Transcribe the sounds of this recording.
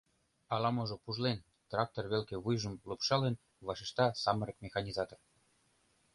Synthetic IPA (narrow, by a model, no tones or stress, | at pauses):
ɑlɑmŏʒŏpuʒlen | t̪rɑk̚t̪orβelkeβujʒə̆mlupʃɑlen | βɑʃeʃt̪ɑsɑmɤ̆ɾə̆kmʲexɑnʲizɑt̪or